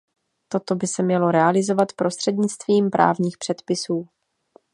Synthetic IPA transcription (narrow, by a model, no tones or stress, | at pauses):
t̪o̞t̪o̞bɪsɛmɲɛlo̞ɾɛalɪzo̞vat̪pɾo̞st̪r̥ɛdɲɪt͡st̪viːmpɾʔa̰ːvɲiːxpr̥ɛt̪pɪsuː